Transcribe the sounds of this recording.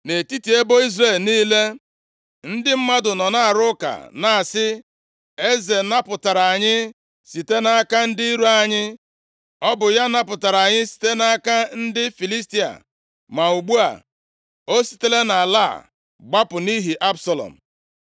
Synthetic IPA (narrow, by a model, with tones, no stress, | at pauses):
ne˨ti˦ti˨e˦bo˦i˦zre˦˨lniː˦le˦ | n̩˦dɪ˦m̩˦ma˦dʊ˨nɔ˨na˦a˨ɾʊ˦ka̰˨na˨a˨sɪ˦ | e˦ze˨na˦pʊ˨ta˨ɾa˨a˨ɲɪ˦ | si˨te˦na˦ka˦n̩˦di˦i˦ɾu˦a˨ɲɪ˦ | ɔ˦bʊ˨ja˦na˦pʊ˨ta˨ɾa˨ɲɪ˦si̥˨te˦na˦a˦ka˦n̩˦dɪ˦fi˨li˦sti˦a̰˨ | ma˨u˨ɡ͡bu˦a̰˨ | o˦si̥˨te˦le˦na˨la̰˦˨ | ɡ͡ba˦pʊ˨ni˦ɦi˨ʔa˦bsa˨lɔ̰˨m̩˨